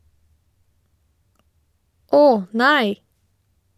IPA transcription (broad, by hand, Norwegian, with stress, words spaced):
ˈoːh ˈnæɪ